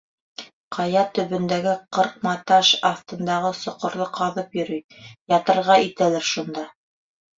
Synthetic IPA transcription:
qʰɑjɑt̪ɵ̆βɵ̆nd̪æɡɘqɤɾq̚mɑt̪ɑʃɑft̪ɤ̆nd̪ɑʁɤsŏqŏɾðˠɤqʰɑðɤpjɵ̆ɾyjjɑt̪ɤ̆ɾʁɑit̪ælæɾʃund̪ɑ

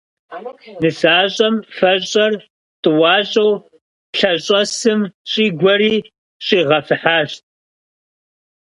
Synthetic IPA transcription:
nɨsaːɕʼɐmfɐɕʼɐr | tʼɨwɑːɕʼɐw | ɬɐɕʼɐsɨmɕʼiːɡʷɐɾiː | ɕʼiːʁɐfɨħaːɕt̚ʼ

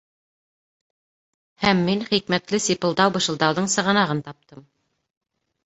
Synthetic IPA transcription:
hæmːinχikmæt̪lɘsipɤ̆lˠd̪ɑwbɤ̆ʃɤ̆lˠd̪ɑwðɤɴsɤ̆ʁɤ̆nɑʁɤnt̪ɑp̚t̪ɤm

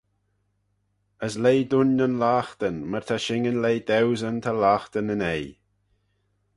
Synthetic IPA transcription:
əslejd̪ʊnːənlaːxt̪ənməɹt̪ʰaʃɪŋənlejd̪ɛwzənt̪ʰalaːxt̪ənənej

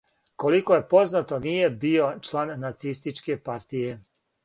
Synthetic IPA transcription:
ko̞likoje̞po̞znat̪o̞nije̞bio̞t͡ʃlaːnːat̪sist̪it͡ʃke̞paɾt̪ije̞

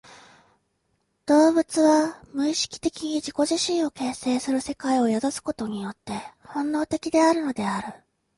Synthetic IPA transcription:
d̪̥o̞ːbɯ̟t͡sɨβamɯ̟iɕi̥kʲi̥t̪e̞kʲiɲ̟iʑiko̞ʑiɕĩɰ̃o̞ke̞ːse̞ːsɨɾɯ̟se̞kaio̞jazosɨ̥ko̞t̪o̞ɲ̟ijo̞t̪ːe̞hõ̞nːo̞ːt̪e̞kʲid̪e̞aɾɯ̟no̞d̪e̞aɾɯ̟

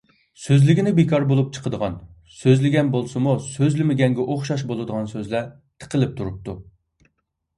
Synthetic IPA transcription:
søzlɪɡʲinɪbekʰɑɾbolˠup̚t͡ʃʰə̥qʰəd̪əʁɑ̰n | søzlɪɡʲɛnbolˠsɨmusøzlɪmɪɡʲɛŋɡʲɛʔoχʃɑʃ̬bolˠɨd̪əʁɑnsøzlæ | t̪ʰə̥qʰəlɪp̚t̪ʰuɾup̚t̪ʰu

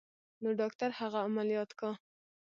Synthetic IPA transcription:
noɖɑkt̪aɾhaɣaːmalijɑt̪ka

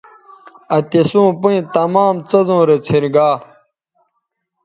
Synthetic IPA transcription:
ɐt̪esũːpuĩt̪ɐmaːmt͡sɐzõːɾet͡sʰiɾɡaː

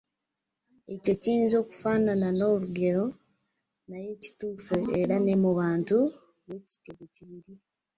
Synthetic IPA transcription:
e̞co̞ciːnzo̞ːku̥faːnanano̞ːɾuɡe̞ɾo̞ | naje̞ci̥tuːfoeɾane̞muβaːntu | βeci̥teβeciβiɾi

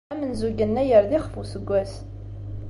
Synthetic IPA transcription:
æmənzuɡənːæjəɾðiχfusəɡʷːæs

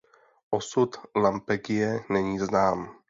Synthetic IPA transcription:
ʔosut̪lampɛɡɪjɛnɛɲiːznaːm

